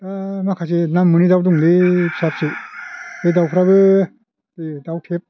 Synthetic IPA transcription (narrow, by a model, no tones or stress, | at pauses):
tamakʰasenamːɯnidawduŋdepʰisap̚sɯdedawpʰɾabɯ | dedawtʰep̚